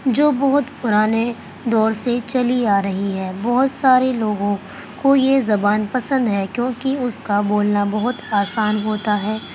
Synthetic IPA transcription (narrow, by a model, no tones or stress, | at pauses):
d͡ʒoːbɔɦʊt̪pʊɾaːne | d̪ɔːɾset͡ʃɐliaːɾɐɦiɦɛːbɔɦʊt̪saːɾeloːɡõ | kojezɐbaːnpɐsə̃nd̪ɦɛkjõːkiʊskaboːlnabɐɦʊt̪aːsaːnɦoːt̪aɦɛː